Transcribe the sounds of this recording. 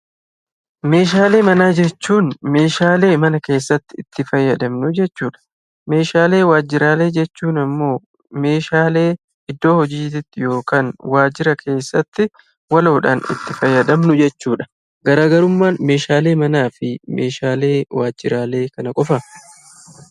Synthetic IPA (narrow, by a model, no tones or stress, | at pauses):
me̞ːʃ̬aːle̞ːmɐnaːd͡ʒɛt͡ʃːuːnme̞ːʃaːle̞ːmɐnɐke̞ːsːɐt̪ːɪɪt̪ːɪfɐjːɐd̪ɐmnʊd͡ʒɛt͡ʃːuːᶑɐ̥ | me̞ːʃaːle̞ːwaːd͡ʒːɪɾaːle̞ːd͡ʒɛt͡ʃːuːnɐmːo̞ː | me̞ːʃaːle̞ː | ɪd̪ːo̞ːhɔd͡ʒiːt̪ɪt̪ːɪjo̞ːkaːnwaːd͡ʒɪɾɐkʰe̞ːsːɐt̪ːɪ | wɐlo̞ːᶑaːnɪ̰t̪ːɪfɐjːɐd̪ɐmnʊd͡ʒɛt͡ʃːuːᶑɐ̥ | ɡɐɾaːɡɐɾʊmːaːnme̞ːʃaːle̞ːmɐnaːfɪmḛːʃaːle̞ːwaːd͡ʒːɪɾaːle̞ːkɐnɐkʼɔfɐ